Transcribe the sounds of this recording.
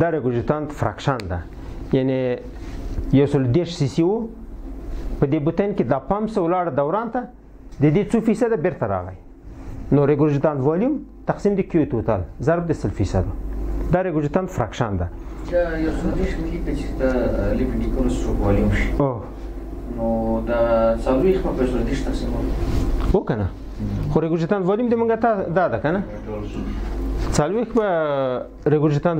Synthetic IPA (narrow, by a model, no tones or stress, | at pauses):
d̪aɾeɡʊɾd͡ʒit̪ɑnd̪fɾa̰kʂɑnd̪a̰ | jane | jawsəlod̪eʂsisiwu | pəd̪ebut̪anked̪ɑpamsawlɑɽad̪awɾɑnt̪a | d̪əd̪et͡sufisad̪abeɾt̪aɾɑ̰ɣa̰j | noɾeɡʊɾd͡ʒit̪ɑnt̪vɑljumt̪aqsimd̪əkijot̪ot̪a̰lzaɾb̚d̪əsəlfisa̰d̪ud̪ɑɾeɡʊd͡ʒit̪ɑnt̪fɾakʂɑ̰nd̪a̰ajawsold̪eʂmiɡikat͡ʃit̪alipiɳɖikoɾst͡ʃokwɑljumʃi̥o | nod̪at͡salwexbapjawsold̪eʂt̪aqsimalokana | xoɾeɡud͡ʒit̪ɑnd̪wɑljumd̪emuŋɡat̪ad̪ɑd̪akana | ol | t͡salwexba | ɾeɡʊɾd͡ʒit̪ɑn